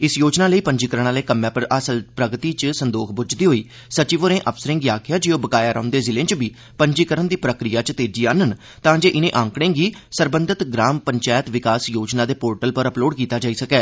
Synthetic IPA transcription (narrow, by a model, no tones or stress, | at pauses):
ɪsjoːd͡ʒnaːləiːpəɲd͡ʒiːkəɾəɳ̃aːleːkəmaːəsəlpɾəɡt̪iːt͡ʃsənd̪oːkʰbʊd͡ʒd̪iːɦoːiː | sət͡ʃiːʋəɾẽːʔəpsəɾɪ̃ŋɡiaːkʰɪjaːd͡ʒɪoːbəkaːjaːɾʔa̰ːʊ̃nd̪eːzɪlẽːt͡ʃbiː | pəɲd͡ʒiːkəɾəɳd̪iːpɾəkɾɪjaːt͡ʃt̪eːd͡ʒiːaːnən | t̪ãːd͡ʒeːʔɪnẽːʔãːŋkɽ̃ẽːɡiːsəɾbənd̪ət̪ɡɾaːmpəɲt͡ʃaːjət̪ʋɪkaːsjoːd͡ʒnaːd̪eːpoːɾʈəlpəɾəploːɖkiːt̪aːd͡ʒaːiːsəkɛː